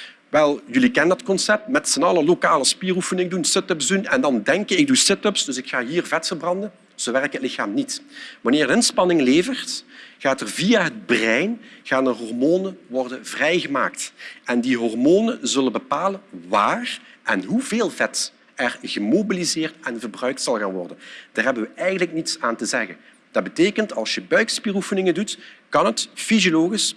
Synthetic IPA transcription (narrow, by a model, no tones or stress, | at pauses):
ʋɛlˠjɵlikɛnəndɑtkɔnsɛp̚tmɛtsənɑləlokaːləspiːrufənɪŋədunsɪtɵpzdunɛndɑndɛŋkəɪɡ̚dusɪtɵpsdɵsɪkxaːɦiːrvɛtfərbrɑndən | z̥oʋɛrkətlɪxaːmnitʋɑnɪːrdəɪnspɑnɪŋleːvərtɣaːtərviaɦəd̚brɛjnɣaːnəɦɔrmoːnəʋɔrdəvrɛjɣəma̰ːk̚tɛndiɦɔrmoːnəzɵlənbəpaːləʋaːrʔɛnɦuveːlˠvɛt | ɛrɣəmobilizɪːrtɛnvərbrœɥk̚tsɑlˠɣaːnʋɔ̰rdənd̥aːrɦɛbənʋəɛjɣənləknitsaːntəzɛɣə̰n | d̥ɑd̚bəteːkəntɑlˠsjəbœɥkspiːrufənɪŋəndutkɑnətfizioloːɣis